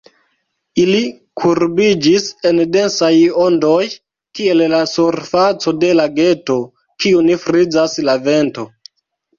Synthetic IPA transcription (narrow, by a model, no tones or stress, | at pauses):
ili | kʰuɾbid͡ʒise̞nde̞nsajondo̞j | kie̞llasuɾfat͡so̞de̞laɡe̞to̞ | kiunifɾid͡zaslave̞nto̞